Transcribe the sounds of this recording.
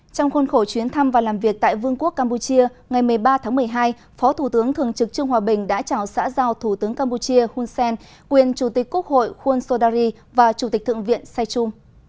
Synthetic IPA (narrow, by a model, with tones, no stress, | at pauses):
t͡ɕɔ˧wŋ͡mxo˧nxo˧˩t͡ɕwi˨˦ənt̪ʰa˧mvaː˨˩laː˨˩mvi˨˩ək̚t̪a̰ː˧˨jvɨ˧əŋku˦˥ək̚ːaː˧mpu˧t͡ɕi˧ə | ŋa˨˩jmɨ˨˩əjɓaː˧t̪ʰaː˨˦ŋmɨ˨˩ə˩jɦaː˧j | fɔ˨˦t̪ʰu˧˩t̪ɨ˨˦əŋt̪ʰɨ̰˨˩əŋt͡ɕɨ˨˩k̚t͡ɕɨ˧əŋhwaː˨˩ɓï˨˩ŋ̟ɗa̰ː˧˥t͡ɕaː˧˩wsa̰ː˧˥zaː˧wt̪ʰu˧˩t̪ɨ˨˦əŋkaː˧mpu˧t͡ɕi˧əhu˧nsɛ˧n | kwi˨˩ənt͡ɕu˧˩t̪ï˨˩k̟̚ku˦˥ək̚ho̰˧˨jxwu˧nso˧ɗaː˧ɾi˧ | vaː˨˩t͡ɕu˧˩t̪i˨˩t̪ʰɨ̰˧˨ŋvḭ˧˨ənsa˧jt͡ɕʊ˧m